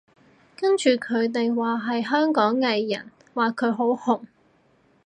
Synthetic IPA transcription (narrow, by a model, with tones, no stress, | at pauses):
kɐ˥nt͡ʃyː˨kʰɵ˨˧ɥt̪̬e˨jwaː˨ɦɐ˨jɦœː˥ŋkɔː˨˥ŋːɐ˨˧jːɐ̰˨˩n | waː˨˩kʰɵ˨˧ɥɦo˨˥whʊ˨ŋ